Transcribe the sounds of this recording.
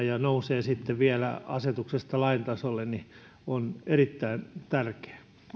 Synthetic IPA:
jɑnouseːsit̪ːeʋiælæ̰ɑ̰set̪uksest̪ɑlɑint̪ɑsolːenni | onerit̪ːæint̪ærke̥æ̥

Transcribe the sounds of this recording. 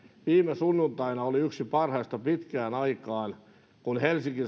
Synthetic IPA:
ʋiːmesunːunt̪ɑinɑoliyksipɑrhɑist̪ɑpit̪kæːnɑikɑːn | kunhelsiŋki

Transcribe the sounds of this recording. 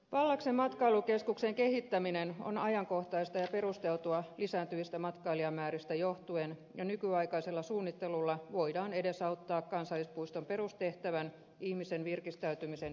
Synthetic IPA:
ʋɑlːɑksemmɑt̪kɑilukeskukseŋkehit̪ːæmineno̰nɑjɑŋko̞ht̪ɑist̪ɑjɑpe̞rust̪e̞lt̪uɑlisæːnt̪yʋist̪æmɑt̪kɑiliɑmːæːɾist̪æjoht̪uenjɑnykyɑikɑiselːɑsuːnːit̪ːe̞lulːɑʋoidɑːnede̞sɑut̪ːɑːkkɑnsɑlːispuist̪ompe̞rust̪eht̪æʋæn | ihmisenʋirkist̪æyt̪ymisen

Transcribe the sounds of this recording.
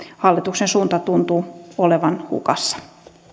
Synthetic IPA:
hɑlːit̪uksensuːnt̪ɑt̪unt̪uːoleʋɑnhṵkɑsːɑ̥

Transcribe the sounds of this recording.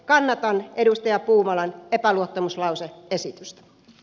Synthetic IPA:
kɑnːɑt̪ɑnedust̪ɑjɑpuːmɑlɑnepæluot̪ːɑmuslɑuseesit̪yst̪æ̥

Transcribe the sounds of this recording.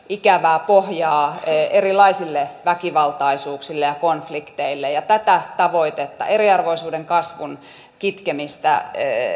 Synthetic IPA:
ikæʋæːpohjɑːerilˑɑisilːeʋækiʋɑlt̪ɑisuːksilːejɑkonflikt̪eilːejɑt̪æt̪æt̪ɑʋoit̪et̪ːɑ̰ʔeriɑrʋoisuːdeŋkɑsʋun | kit̪kemist̪æ̰

